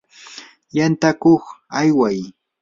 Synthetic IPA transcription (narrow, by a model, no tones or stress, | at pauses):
jant̪akoχajwaj